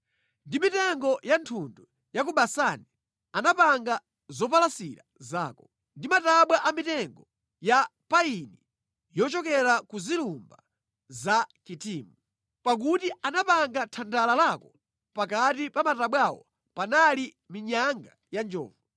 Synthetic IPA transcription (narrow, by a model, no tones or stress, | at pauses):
ndimitɛŋɡɔjantʰundu | jak̬uɓasaːni | anapaŋɡa | zɔp̬alasḭɾaza̰ːkɔ | ndimataɓwaʔamitɛŋɡɔ | japaini | jɔt͡ʃɔkɛɾakuzilumba | zakitiːmu | pak̬utiʔanapaŋɡatʰandalalaːkɔ | pakatipamataɓwawɔ̰ | panali | miɲaŋɡa | jand͡ʒɔ̰ːvɔ